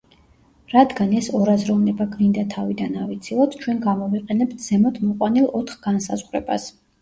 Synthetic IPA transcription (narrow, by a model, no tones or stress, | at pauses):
ɾad̪ɡanɛsɔɾazɾɔvnɛbaɡɾind̪at̪ʰavid̪anavit̪sʰilˠɔt̪ʰt͡ʃʰwɛnɡamɔviqʼɛnɛpt̪̚ʰz̥ɛmɔt̪ʰmɔqʼwanilˠɔt̪ʰχɡansazʁɾɛ̰bas